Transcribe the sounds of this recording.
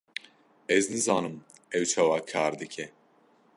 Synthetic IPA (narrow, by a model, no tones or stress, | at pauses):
ɛznɨzɑːnɨm | ɛwt͡ʃʰɑːwaːkʰaːɾd̪ɨkʰɛ